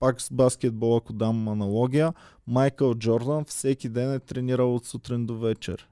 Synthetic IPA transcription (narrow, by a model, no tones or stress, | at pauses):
pakz̥baskʲɛd̪̚bɔlˠɐkʊd̪ammɐnɐlˠɔɡʲijə | majkəlˠd͡ʒɔɾd̪ənfsɛkʲid̪ɛnɛt̪ɾɛniɾəlˠot̪sut̪ɾind̪ovɛt͡ʃɛ̰ɾ